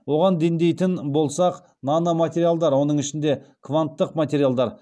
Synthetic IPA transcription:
wo̞ʁɑnd̪end̪e̞jt̪ɪnbo̞lˠsɑq | nɑnɑmat̪ʲe̞ɾijalˠd̪ɑɾwo̞nəɴɪʃɪnd̪e̞kʰvant̪ːəqmat̪ʲe̞ɾijalˠd̪ɑɾ

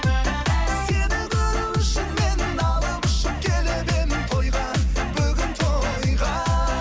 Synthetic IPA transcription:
sed̪ɪbɪɾɪwɪʃɪnmenɪnɑlˠɑpʊ̥ʃɪp̚kʲʰelebenɪnt̪ʰo̞jʁɑnbʏɡʲɪnt̪ʰojʁɑ

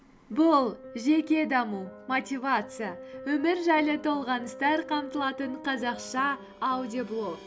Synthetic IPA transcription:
bʊlˠʒe̞kʲe̞d̪ɑmumot̪ʲivat̪sɨjawɵmɪɾʒɑjlˠət̪ʰo̞lˠʁɑnəst̪ɑɾqʰɑmt̪əlˠɑt̪əɴqʰɑzɑqʃɑ | awd̪ʲioblˠo̞k

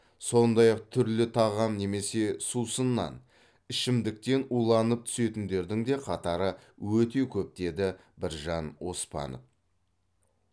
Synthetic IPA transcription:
so̞nd̪ɑjɑq̚t̪ʰʏɾlɪt̪ʰɑʁɑmne̞me̞se̞susənːɑ̰n | ɪʃɪmd̪ɪk̚t̪e̞nujlˠɑnəp̚t̪ʰʏ̥se̞t̪ɪnd̪e̞ɾd̪ɪŋd̪e̞qʰɑt̪ɑɾəwɵt̪e̞kʲʰɵp̚t̪e̞d̪ɪ | bɪɾʒɑnwo̞spɑ̰nof

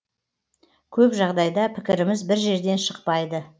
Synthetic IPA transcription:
kʲʰɵpʒɑʁd̪ɑjd̪ɑpʰɪ̥kʲɪɾɪmɪzbɪɾʒe̞ɾd̪e̞nʃəqpɑjd̪ə

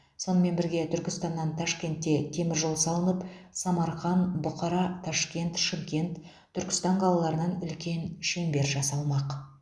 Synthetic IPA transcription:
so̞nəme̞nbɪɾɡʲe̞t̪ʰʏɾkʲɪst̪ɑnːɑnt̪ʰɑʃkʲe̞nt̪ːe̞t̪ʰe̞mɪɾʒo̞lˠsɑlˠənəpsɑmɑɾχɑnbʊqɑɾɑt̪ʰɑʃkʲe̞nt̪ʃɪmkʲe̞nt̪ʰː | ʏɾkʲɪ̥st̪ɑɴqʰɑlˠɑlˠɑɾənɑnʏlkʲe̞nʃe̞mbe̞ɾʒɑsɑlˠmɑq

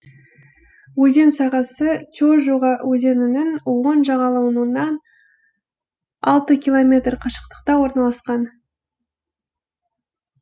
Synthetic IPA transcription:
wɵze̞nsɑʁɑsət͡ʃʰoʒoʁɑwɵze̞nɪnɪnwonʒɑʁɑlˠɑwənənːɑn | ɑ̰lˠt̪əkʲilˠo̞mʲe̞t̪rqʰɑʃə̥q̚t̪ə̥q̚t̪ɑwo̞ɾnɑlˠɑsqɑn

